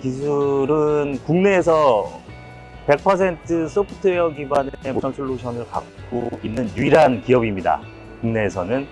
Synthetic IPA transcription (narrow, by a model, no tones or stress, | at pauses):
kisʰuɾɯnkuŋne̞ːsʰʌ | pe̞k̚pʰʌsʰe̞ntʰɯs͈ʰɯpʰutʰɯejʌɡiɡwanemosʰʌnsʰuɭːoɕʰʌnɯɭka̰k̚k͈oinːɯnjuiɾɦankijʌbimɲida̰ | kuŋne̞ːsʰʌnɯn